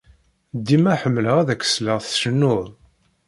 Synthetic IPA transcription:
d̪ːimæħəmːləʁæðækːə̥sləʁθʃənːʊðˤ

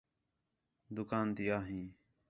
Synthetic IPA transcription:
d̪ʊkaːnt̪ɪjaːɦĩː

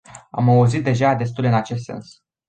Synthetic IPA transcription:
a̰mauzit̪̚d̪e̞ʒad̪e̞s̬t̪ulʲɨnat͡ʃe̞s̬t̪se̞̰ns

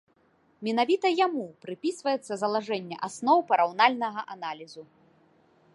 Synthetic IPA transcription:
mʲinavʲit̪ɐjamupɾɨpʲisvɐjɛt̪sːɐzɐlˠaʐɛnʲːɛ̰ʔasnɔwpɐɾawnalʲnɐɣɐʔanalʲizu

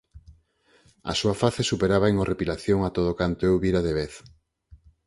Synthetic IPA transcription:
ɐ̰suɐfaθesupeɾaβaeŋorʔepilaθjoŋat̪oðokant̪oewβiɾaðeβeθ

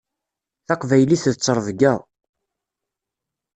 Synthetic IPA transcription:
θɑqvæjliθðt͡sːəɾˤvɡæðˤ

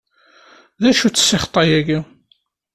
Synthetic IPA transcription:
ðæʃut͡sːsːɪχt̪ˤɑjæɡi

